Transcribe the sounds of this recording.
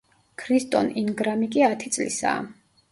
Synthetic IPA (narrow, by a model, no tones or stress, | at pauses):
kʰɾist̪ʼɔninɡɾamikʼiat̪ʰit̪sʼlḭsa̰ː